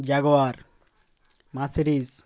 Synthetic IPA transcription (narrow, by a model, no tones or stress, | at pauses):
d͡ʑaɡoaɾ | masiɾis